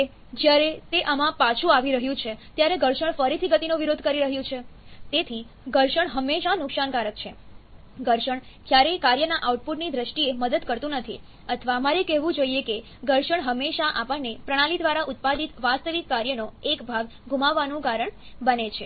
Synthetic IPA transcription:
d͡ʒjaɾet̪eʔəmãpat͡ʃʰũaʋiɾəɦjũt͡ʃʰet̪jaɾeɡəɾʃəɳfəɾit̪ʰiɡət̪inoʋiɾod̪ʱkəɾiɾəɦjũt͡ʃʰet̪et̪ʰi | ɡəɾʃəɳɦəmːeʃanʊkʃankaɾək̚t͡ʃʰe | ɡəɾʃəɳ | kjaɾekaɾjənaʔauʈ̚puʈnid̪ɾəʃʈieməd̪əd̪kəɾt̪ũnət̪ʰi | ət̪ʰəʋamaɾekɛɦʋũd͡ʒoieke | ɡəɾʃəɳɦəmːeʃaʔapəɳnːepɾəɽ̃alid̪ʋaɾaʔʊt̪̚pad̪it̪ʋast̪əʋikːaɾjənoekbʱaɡ | ɡʱumaʋːanũkaɾəɳ | bənet͡ʃʰe

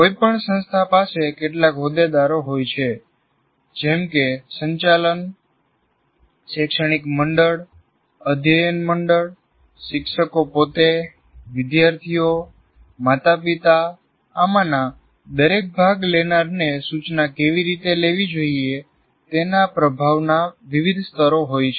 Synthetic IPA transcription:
koipəɳsə̃nst̪ʰapasekeʈlakɦod̪ed̪aɾoɦojt͡ʃʰe | d͡ʒɛmkesəɲt͡ʃalən | ʃɛkʃəɽ̃ikməɳɖəɭ | əd̪ʱjəjənməɳɖəɭ | ʃɪkʃəkopot̪e | ʋɪd̪jaɾt̪ʰijo | mat̪ʰapit̪aː | mana | d̪əɾek̚bʱaɡlenaɾnesut͡ʃnakeʋiɾit̪eleʋid͡ʒoie | t̪enapɾəbʱaʋnaʋiʋid̪ʱst̪ʰəɾoɦojt͡ʃʰ

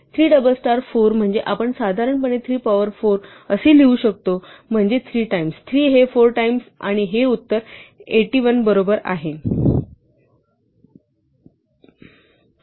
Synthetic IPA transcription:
t̪ʰɾiːɖəbəlsʈaɾfoɾm̤əɳd͡zeʔapəɳsad̪ʱaɾəɳpəɳ̃et̪ʰɾiːpaʋəɾfoɾ | əseːliuɕək̚t̪om̤əɳd͡zet̪ʰɾiːʈaimst̪ʰɾiːɦefoɾʈaimsaɽ̃iɦeut̪ːəɾeʈiːʋənbəɾobəɾa̰ɦe

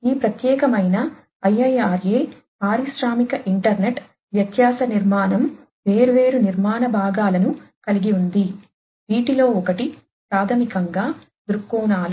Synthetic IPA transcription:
iːpɾɐt̪jɛːkɐmɐjnɐ | ɐjɐjaːɾeː | aːɾiʃɾaːmikɐʔiɳʈɐɾneʈ | ʋjɐt̪jaːsɐniɾmaːnɐm | ʋe̞ːɾuʋe̞ːɾuniɾmaːnɐbʱaːɡaːlɐnukɐliɡiund̪i | iːʈilo̞ːɔkɐʈi | pɾaːd̪ʰʱɐmikɐŋɡaː | d̪uɾukːuːnaːlu

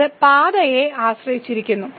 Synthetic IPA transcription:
ɨpaːd̪ɐjeaːɕrɐjit͡ɕːiɾikʲːunːu

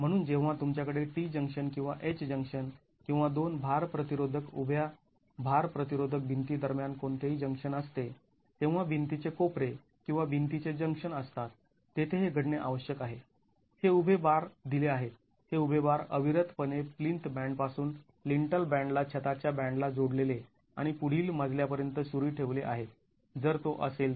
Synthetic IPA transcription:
m̤əɽ̃uːnd͡ʑẽʋ̤̃at̪umt͡ɕjakəɽeʈid͡ʑəŋkʂənkĩw̃ʋaʔet͡ɕd͡ʑəŋkʂən | kĩw̃ʋad̪onbʱaɾpɾət̪iɾod̪ʱəkubʱja | bʱaɾpɾət̪iɾod̪ʱək̚bʱint̪iːd̪əɾmjankoɳt̪eɦiːd͡ʑəŋkʂənəst̪e | t̪ẽw̃ʋ̤abʱint̪it͡sekopɾe | kĩw̃ʋabʱint̪it͡sed͡ʑəŋkʂənəst̪at̪ː | et̪ʰeɦeɡʱəɽneʔaʋəɕjəkaɦe | heubʱebaɾd̪ileaɦet̪ | heubʱebaɾəbʱiɾət̪pəneplint̪bæ̃ɳɖpasuːn | liɳʈəlbæ̃ɳɖlat͡ɕʰet̪at͡ɕjabæ̃ɳɖlad͡zoɽlele | a̰ɽ̃ipuɽ̤iːlməd͡zʱljapəɾjənt̪əsuɾiːʈʰeʋleʔa̰ɦe | d͡zəɾt̪oʔəsel

